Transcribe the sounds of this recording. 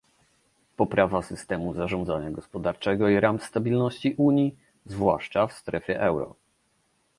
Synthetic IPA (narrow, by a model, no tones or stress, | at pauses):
pɔpɾavasɘst̪ɛmuzaʐɔ̃nd̪zaɲaɡɔspɔd̪aɾt͡ʂɛɡɔiɾamst̪abʲilnɔɕt͡ɕiʔuɲi | zvwa̰ʂt͡ʂafst̪ɾɛfʲjɛʔɛwɾɔ̰